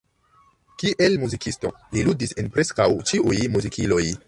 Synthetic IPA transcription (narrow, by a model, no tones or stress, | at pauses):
kiʔelmuzikisto̞̰ | liludise̞npɾe̞skawt͡ʃiʔujmuzikʰilo̞j